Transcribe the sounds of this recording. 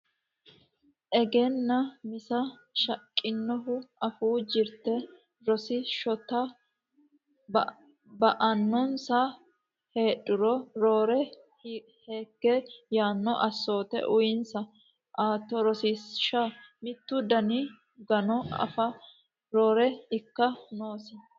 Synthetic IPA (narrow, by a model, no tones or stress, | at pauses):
ʔɛɡenːɐmɪsɐʃɐkʼːɪnːɔɦʊɐfuːd͡ʒɪɾt̪ːɛ | ɾɔsɪʃɔt̪ːɐ | bɐʔɐnːɔnsa | he̞ːɗʊɾɔɾoːɾɛ | he̞ːɡːɛjaːnːɔʔɐsːo̞ːt̪ɛ̰ʔʊjɪnsɐ | ʔaːt̪ːɔɾɔsisʃamɪt̪ːʊd̪ɐni | ɡɐnɔɐ̰fɐ | ɾoːɾɛɪkːɐno̞ːsɪ